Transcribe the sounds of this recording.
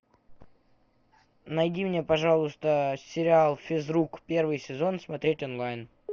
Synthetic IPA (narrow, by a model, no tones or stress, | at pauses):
nɐjdʲimnʲe̞pɐʐalˠʊst̪əsʲɪɾʲɪalˠfʲɪzɾukpʲe̞rvɨjsʲɪzo̞nsmɐt̪ɾʲetʲonlˠajn